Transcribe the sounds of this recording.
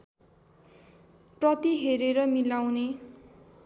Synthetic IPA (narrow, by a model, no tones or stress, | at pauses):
prʌt̪iɦeɾeɾʌmilawne